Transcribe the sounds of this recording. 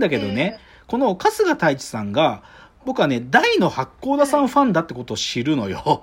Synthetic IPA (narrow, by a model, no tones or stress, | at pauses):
d̪ake̞d̪o̞ne̞ | ko̞no̞kasɨɡat̪ait͡ɕi̥sãŋɡa | bo̞kɯ̟ane̞d̪aino̞hakːo̞ːd̪asãɰ̃ɸãnd̪at̪ːe̞ko̞t̪o̞ːɕiɾɯ̟no̞̰jo̞